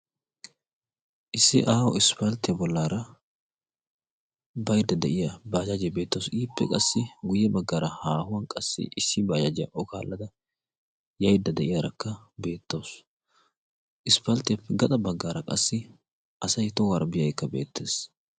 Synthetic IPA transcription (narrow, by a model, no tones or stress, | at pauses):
ʔɪsːɪʔaːwɔɪspɐlt̪ɪjɐbɔlːaːɾɐ | bɐjd̪ːɐd̪ɛʔɪjɐbaːd͡ʒɐd͡ʒɛbe̞ːt̪ːosiːpːɛ̰kʼɐsːɪɡʊjɛbɐɡːaːɾɐhaːhʊwɐnkʼɐsːɪ̰ʔɪsːɪbaːd͡ʒɐd͡ʒɛjɐ̰ʔɔka̰ːlːɐd̪ɐ | jɐjd̪ːɐd̪ɛʔɪjaɾɐkːɐ | be̞ːt̪ːoːs | ʔɪspɐlt̪ɪjɐpːɛɡɐt̪ʼɐbɐɡːaːɾɐkʼɐsːɪ | ʔɐsɐjt̪ɔwaɾbɪjɐjkːɐbḛːt̪ːeːs